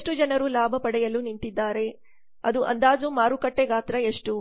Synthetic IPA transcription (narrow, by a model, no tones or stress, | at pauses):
ʂʈud͡ʒɐnɐɾulaːbʱɐpɐɽɛjɐluniɳʈ̪id̪ːaːɾe̞ | ɐd̪uʔɐ̰nd̪aːd͡ʒumaːɾukɐʈːeɡaːt̪ɾɐeʂʈu